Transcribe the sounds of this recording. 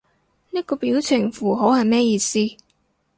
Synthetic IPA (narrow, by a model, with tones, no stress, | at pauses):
niː˥kɔː˧piː˨˥wt͡sʰɪ˨˩ŋfuː˨˩ɦo˨˥whɐ˨jmɛː˥jiː˨˧siː˥